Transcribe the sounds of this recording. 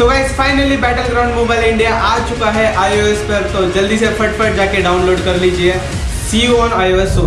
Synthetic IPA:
t̪oʋesfaːjnəlibæʈəlɡɾaw̃ɳɖmobaːɪlɪɳɖijaʔaːd͡ʑt͡ʃukaɦeʔaːjoespəɾt̪od͡ʒɐld̪iːsepʰəʈ̚pʰəʈ̚d͡ʑaːkeɖaũnloːɖkɐɾlit͡ɕie | sioonaːjoeso

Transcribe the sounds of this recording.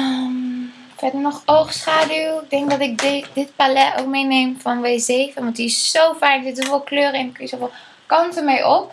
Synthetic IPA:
əm | fɛdəɹnɔχowχsχaːdywɪk̚dɛŋk̚dɑtɪkddɪtpalɛo̰wk̚mejnejmvɑnʋejzejvənʋɑntissowfaːɹk̚dɪtsovɪlˠkløːrəɛnəkisovɪlˠ | kɑntənmejʔɔp

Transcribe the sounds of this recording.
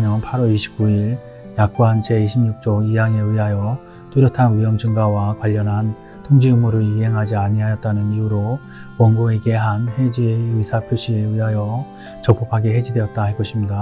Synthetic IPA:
mjʌnpʰaɾʌɾiɕʰi̥p̚k͈uiɾ | jak̚k͈oɦand͡ʑe̞iɕʰimɲuk̚t͡ɕ͈oijaŋe̞ɯɦajʌ | tuɾjʌtʰanɥiʌmd͡ʑɯŋɡawakwaʎːʌnɦan | tʰoŋd͡ʑiumuɾɯɾiɦe̞ŋɦad͡ʑiaɲiɦajʌt̚t͈anɯniuɾo | kwʌŋɡoe̞ɡe̞ɦanhed͡ʑiisʰapʰjoɕ͈ʰieiɦajʌ | t͡ɕʌk̚p͈ʰopʰaɡeɦe̞d͡ʑidwe̞ʌt̚t͈aɦaɭk͈ʌɕʰimɲida

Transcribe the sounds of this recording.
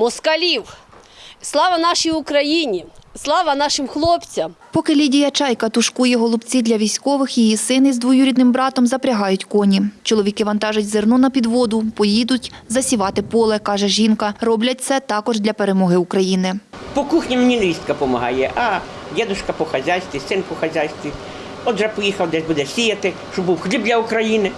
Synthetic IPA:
mɔskɐlʲiw | slˠɑʋɐnɑʃijʊkɾɐjinʲislˠɑʋɐnɑʃɪmxlˠɔpt͡sʲɐmpɔkɪlʲidʲijɐt͡ʃɑjkɐt̪ʊʃkujɛɦɔlˠʊbt͡sʲid̪lʲɐʋʲijsʲkɔʋɪxjijisɪnɪizd̪ʋɔjuɾʲid̪nɪmbɾɑt̪ɔmzɐpɾʲɐɦɑjʊtʲkɔnʲit͡ʃɔlˠɔʋʲikɪʋɐn̪t̪ɑʒʊtʲzernunɐpʲid̪ʋɔd̪ʊpɔjid̪ʊtʲzɐsʲiʋɑt̪ɪpɔlˠɛkɑʒɛʒinkɐrɔblʲɐt̚ʲt̪sʲɛt̪ɑkɔʒd̪ʲlʲɐpeɾemɔɦɪukɾɐjinɪpɔkuxnʲimenʲinɾʲist̪kɐpɔmɐɦɑ̰jɛʔɑ | dʲɛd̪ʊʃkɐpɔxɐzʲajsʲt̪ʲʋʲisɪnpɔxɐzʲajsʲt̪ʲʋʲi | ɔd̪ʒɛpɔjixɐwd̪ɛʒbud̪ɛsʲijɐt̪ɪʃt͡ʃɔbuwxlʲib̚d̪ʲlʲɐʊkɾɐjinɪ

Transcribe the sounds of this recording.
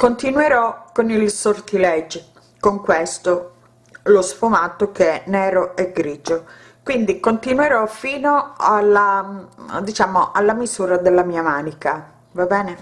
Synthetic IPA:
kont̪inweɾɔkːonilsort̪ilɛd͡ʒ | koŋkwest̪o | losfumat̪ːokeɛnɛːɾoeɡɾiːd͡ʒo | kwind̪ikont̪inweɾɔfiːnoalːa | d̪it͡ʃaːmoʔalːamizuːɾad̪elːamiːamaːnika | vabɛːne

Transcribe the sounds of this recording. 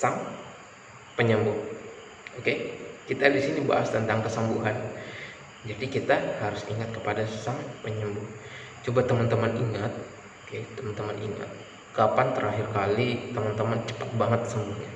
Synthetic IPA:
saŋ | pəɲəmbʊh | okekit̪adisiniba̰ʔast̪ənt̪aŋkəsəmbuɦan | d͡ʒadikit̪ahaɾʊsiŋat̪̚kəpadasaŋpəɲəmbʊh | t͡ʃobat̪əmənt̪əməniŋat̪̚ | oket̪əmənt̪əmənḭŋa̰t̪̚ | kapant̪əɾʔaɦɪrkalit̪əmənt̪əmənt͡ʃə̥pət̪̚baŋət̪səmbʊhɲa

